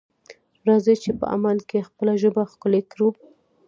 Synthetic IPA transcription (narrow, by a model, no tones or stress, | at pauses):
ɾɑzet͡ʃepə̰ʔa̰malkexpəlaʒəbaxkʊlekɽu